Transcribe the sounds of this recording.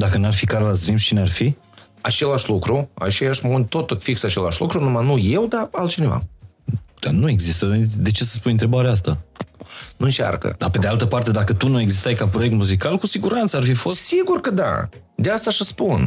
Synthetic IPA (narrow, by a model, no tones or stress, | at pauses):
d̪akənuarfikaɾelas̬t̪ɾimst͡ʃinearfi | at͡ʃe̞laʃlukɾua̰t͡ʃejaʃmund̪t̪o̞t̪əfiksat͡ʃe̞la̰ʃlṵkɾunumanuje̞wd̪aalt̪̚t͡ʃine̞va̰ | d̪̥anue̞ɡzist̪əd̪e̞t͡ʃe̞sə̥s̬punɨnt̪ɾe̞baɾeas̬t̪a | nuɨnt͡ʃa̰rkə̰d̪ape̞d̪ealt̪əpart̪e̞d̪akət̪unue̞ɡzist̪ajkapɾoek̚t̪muzikalkusiɡuɾant̪səarfifo̞ssiɡurkəd̪a̰ | d̪east̪aʃəspun